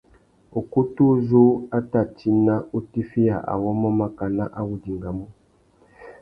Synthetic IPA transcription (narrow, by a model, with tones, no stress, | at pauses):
u˨ku˦tu˦zu˦a˦ta˨t͡ʃi˦na˦ʔu˦ti˦fi˦ja˨ʔa̰˨wɔ˦mɔ˦ma˦ka˨na˦ʔa˦wu˨di˨ŋɡa˨mu˦